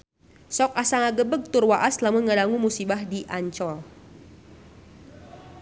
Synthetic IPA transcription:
sɔk̚asaŋaɡəbəɡ̚t̪urwaʔaslamuŋədaŋumusibahdiʔaɲt͡ʃɔl

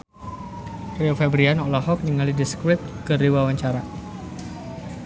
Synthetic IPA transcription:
reofɛbɾianɔʔlaɦɔk̚niŋalidiskɾɪt̪̚kɨriwawaɲt͡ʃaɾa

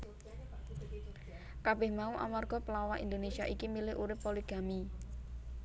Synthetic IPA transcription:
kab̥ɪhmauʔa̰marɡ̥ɔ̤pəlawaʔḭnd̪onesiaʔikimilɪɦʔuɾɪpːoliɡ̥a̤mi

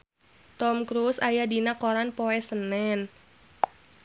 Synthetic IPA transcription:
t̪ɔmkɾusajadinakɔɾanpɔɛsənɛn

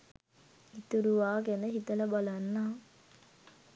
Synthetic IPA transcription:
hit̪uɾuʋaːɡenəɦit̪əlɐbalanːaː

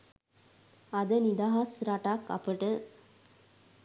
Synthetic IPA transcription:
ɐd̪ənid̪aɦɐsɾaʈakɐ̰pəʈɨ

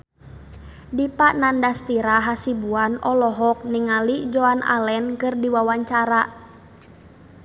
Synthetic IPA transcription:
dipaʔnandast̪iɾaɦasibuanɔlɔɦɔk̚niŋalid͡ʒɔana̰lɛnkɨrdiwawaɲt͡ʃaɾa

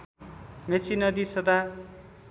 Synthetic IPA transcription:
met͡sʰinʌd̪isʌd̪a

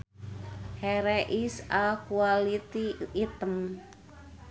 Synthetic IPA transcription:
hɛɾɛʔisakualit̪iːt̪əm

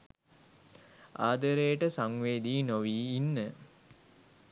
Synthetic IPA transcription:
aːd̪əɾejəʈəsaŋʋeːd̪iːnoʋiːinːə

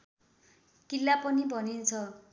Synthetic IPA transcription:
kilːapʌnibʱʌnint͡sʰʌ

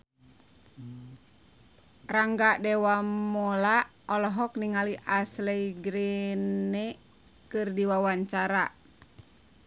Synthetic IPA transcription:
raŋɡadɛwamɔla | ɔlɔɦɔk̚niŋaliʔaslɛiɡɾinɛ | kɨrdiwawaɲt͡ʃaɾa

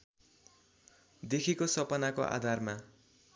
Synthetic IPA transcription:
d̪ekʰikosʌpʌnako̰ʔa̰d̪ʱarma

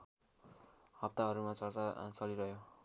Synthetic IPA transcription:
hʌp̚t̪aɦʌɾumat͡sʌrat͡sʌliɾʌɦjo

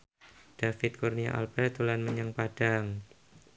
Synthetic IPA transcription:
d̥afɪt̪̚kurnia̰ʔa̰lbɛt̪ulanməɲəŋpad̥aŋ

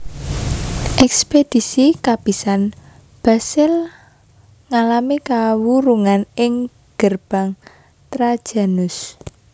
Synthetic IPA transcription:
ʔɛksped̥i̤sikab̥i̤san | b̥a̤sɪl | ŋalamikawuɾuŋanɪŋ | ɡ̥ərb̥a̤ŋ | t̪ɾad̥ʒ̥a̤nʊs

